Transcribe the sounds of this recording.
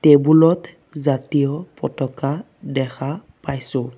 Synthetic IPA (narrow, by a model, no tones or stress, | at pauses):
tebulɔt | zatijɔpɔ̰tɔka | dɛxʰa | pajsʊ̃